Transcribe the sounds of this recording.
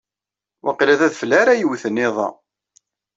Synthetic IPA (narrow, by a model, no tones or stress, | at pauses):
wʔɑ̰qlæðæðfəlæɾajəwθənːɪðˤɑ̰